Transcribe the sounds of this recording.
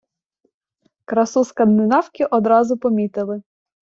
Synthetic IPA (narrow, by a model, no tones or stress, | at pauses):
kɾɐsuskɐnd̪ɪnɑwkʲɪʔɔd̪ɾɑzʊpɔmʲit̪ɪlˠɪ